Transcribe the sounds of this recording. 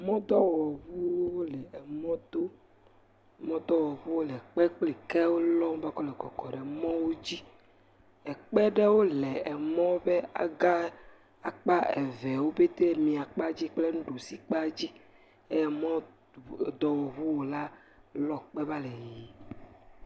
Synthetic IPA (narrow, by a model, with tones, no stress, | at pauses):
mɔ̃˦d̪ɔ˦wɔ˨βu˦wo˦wo˦lɛ˨ɛ˨mɔ̃˦d̪o˦ | mɔ̃˦d̪ɔ˦wɔ˨βu˦wo˦lɛ˨k͡pɛ˦k͡ple˨kɛ˦wo˦lɔ̃˦m˦ba˦kɔ˦lɛ˨kɔ̰˨kɔ˨ɖe˨mɔ̃˦wo˦d͡ʑi˦ | ɛ˨k͡pɛ˦ɖe˦wo˦lɛ˨ɛ˨mɔ̃˦be˦a̰˨ɡa˦ | a˨k͡pa˦e˨vɛ˨wo˦be˦t̪e˦mĩ˨a˨k͡pa˦d͡ʑi˦k͡ple˦nũ˦ɖo˨si˦k͡pa˦d͡ʑi˦ | e˦jɛ˨mɔ̃˦˨ | d̪ɔ˦wɔ˨βu˦wo˨la˦lɔ˦k͡pɛ˦ba˦lɛ˨jji˨